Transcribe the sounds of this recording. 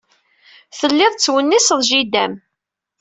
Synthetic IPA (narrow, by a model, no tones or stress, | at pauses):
θəlːɪðˤt͡sːwənːisəðˤʒid̪æm